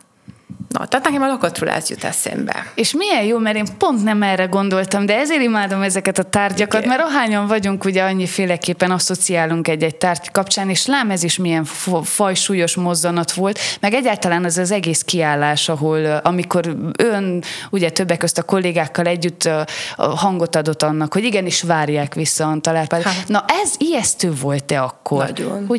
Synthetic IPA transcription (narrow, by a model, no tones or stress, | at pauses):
nɒ̰t̪ɛat̪nɛkɛmɒlɒkɒt̪rulʔa̰ːzjṵt̪ɛ̰sɛ̰mbɛ̰eːʃmijɛjjoːmɛɾeːmpo̞nt̪nɛmɛrːɛɡo̞nd̪o̞lt̪ɒmd̪ɛɛzeːɾimaːd̪o̞mɛzɛkɛt̪ɒt̪aːrɟɒkɒt̪mɛɾɒɦaːɲɒɱvɒɟuŋkuɟɛɒɲːifeːlɛkeːpːɛnɒso̞t̪siaːluŋkɛɟːɛɟ̚t̪aːrɟkɒpt͡ʃaːneːʃlaːmɛziʃmijɛɱfɒjʃuːjo̞ʃmo̞zːɒnɒt̪ʋo̞lt̪mɛɡɛɟːaːlt̪ɒlaːnɛzɛzɛɡeːskiaːlːaːʃɒɦolɒmiko̞ɾønuɟɛt̪ø̞bːɛkːøst̪ɒko̞lːeːɡaːkːɒlɛɟːyt̪ː | hɒŋɡo̞t̪ɒd̪o̞t̪ːɒnːɒkho̞ɟiɡɛniʃʋaːrjaːkʋisːɒnt̪ɒlaːrpaːd̪nɒʔɛzijɛst̪øːvo̞lt̪̚d̪ɛɒkːo̞ron